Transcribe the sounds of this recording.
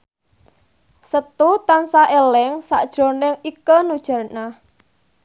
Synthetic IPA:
sət̪ut̪ansaʔelɛŋsa̰ʔd̥ʒ̥ɔ̤nɪŋikənud̥ʒ̥ä̤rna

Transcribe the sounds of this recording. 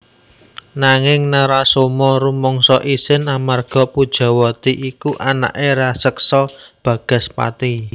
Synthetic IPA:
naŋɪŋnaɾasomɔɾumɔŋsɔʔisɪnamarɡ̥ɔ̤pud̥ʒ̥ɔ̤wɔt̪iʔikuʔana̰ʔeɾasəksɔb̥ä̤ɡ̥ə̤spa̰t̪i

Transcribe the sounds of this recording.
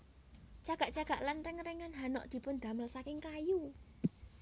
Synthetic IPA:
t͡ʃaɡ̥a̤ʔt͡ʃaɡ̥a̤ʔlanrɪŋɾɛŋanɦanɔ̰ʔd̪̥i̤pʊnd̪̥ä̤məlsakɪŋkaju

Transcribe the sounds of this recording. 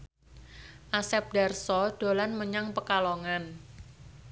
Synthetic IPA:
ʔasɛp̚da̤rsɔɖ̥o̤lanməɲaŋpəkaloŋan

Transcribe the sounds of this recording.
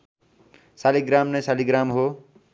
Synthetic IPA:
saliɡɾamnʌjsaliɡɾamɦo

